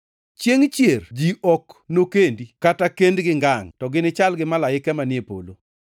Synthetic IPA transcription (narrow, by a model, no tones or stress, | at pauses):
t͡ʃeŋt͡ʃjerd͡ʒiʔɔknokendikatakendɡɪŋɡaŋtɔɡɪnɪt͡ʃalɡɪmalajɪkɛmanɪepo̰lo̰